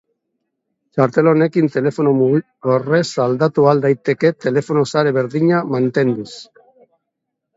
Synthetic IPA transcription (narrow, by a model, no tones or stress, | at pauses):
t͡ʃaɾt̪e̞lone̞kint̪e̞le̞fo̞nomuɣi | ore̞sald̪at̪uald̪ajt̪e̞ke̞t̪e̞le̞fo̞nosaɾe̞βe̞ɾðiɲamant̪e̞nd̪us